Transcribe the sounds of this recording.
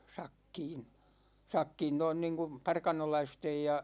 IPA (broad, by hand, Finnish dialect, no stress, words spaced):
sɑkːiːn̞ sɑkːiːn noin niːŋ kum pɑrkɑnolɑistej jɑ